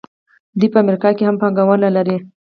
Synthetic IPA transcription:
d̪ipəamɾikɑkehampɑŋɡawənalaɾi

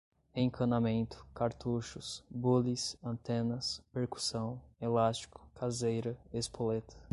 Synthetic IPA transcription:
ẽkʰɐ̃namẽnt̪ʊ̥kaɾt̪uʃʊsbulisɐ̃nt̪ẽnɐspeɾku̥sɐ̃w̃elast͡ʃi̥kʊ̥kʰazejɾɐespolet̪ʰɐ̥

